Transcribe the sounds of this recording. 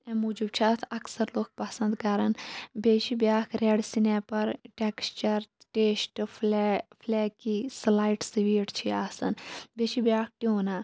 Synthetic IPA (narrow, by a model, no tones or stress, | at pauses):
ɛ̃muːd͡ʒib̚t͡ʃʰaːt̪ʰɐksɐɾloːk̚pɐsɐ̃nd̪kaɾɐnbeːʃibʲjaːkʰɾeɽsinɛpɐɾʈekst͡ʃɐɾ | ʈeːsʈː | pʰlɛːkislaːiʈsiʋiːʈt͡ʃʰiaːsɐnbeːʃibjaːk̚ʰʈiɦoːnaː